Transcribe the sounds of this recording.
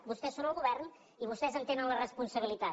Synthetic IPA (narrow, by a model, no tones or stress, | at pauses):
bust̪ɛsːonəlˠɣuβɛrn | iβust̪ɛzənt̪enənlərəspunsəβilit̪a